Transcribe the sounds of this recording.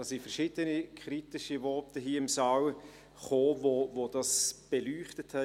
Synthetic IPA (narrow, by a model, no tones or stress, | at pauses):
d̥ɑːsifɛɾʃid̥ənikʰɾitɪʃivɔɾtəɦiːɪmsɑːw | χoːvovod̥ɑsb̥elyːχtəthɛ